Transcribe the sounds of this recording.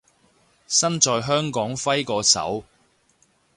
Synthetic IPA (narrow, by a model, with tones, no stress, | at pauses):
sɐ˥nt͡ʃɔː˨˧jɦœː˥ŋkɔː˨˥ŋfɐ˥jkɔː˧sɐ̰˨˥w